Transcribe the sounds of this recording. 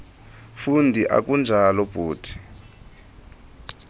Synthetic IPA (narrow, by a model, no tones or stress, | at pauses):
fundʱiʔa̰k̬ʼund͡ʒʱalɔb̥ʱuːtʰi̥